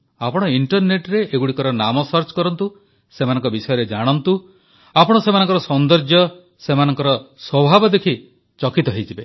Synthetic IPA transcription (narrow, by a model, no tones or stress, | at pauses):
apɔɽ̃ɔiɳʈɔɾneʈɾeʔːɡuɽikɔɾɔnamɔsɔɾt͡ʃkɔɾɔnt̪u | semanɔ̃ŋkɔbisɔjɔɾed͡ʒaɽ̃ɔnt̪u | apɔɽ̃ɔsemanɔŋk̬ɔɾɔsɔnd̪ɔɾd͡ʒjɔ | semanɔŋkɔɾɔswɔbʱabɔd̪ekʰi | t͡ʃɔkit̪ɔɦejt͡ʃʰibe